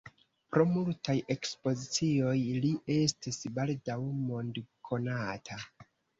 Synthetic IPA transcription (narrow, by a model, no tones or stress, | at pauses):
pɾo̞multaje̞kspo̞zit͡sio̞jliʔe̞stisbaldawmo̞ndkʰo̞natʰa